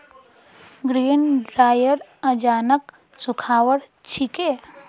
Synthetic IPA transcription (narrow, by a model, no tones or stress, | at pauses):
ɡɾiːnɖɾaːjəɾɐd͡ʒaːnək | sʊkʰaːwəɽ | t͡ʃʰike